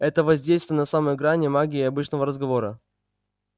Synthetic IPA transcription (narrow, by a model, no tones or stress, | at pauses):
ɛt̪əvɐzʲdʲejst̪vʲɪjənɐsaməjɪɡɾanʲɪmaɡʲɪɪɐbɨt͡ɕnəvəɾəzɡɐvo̞ɾə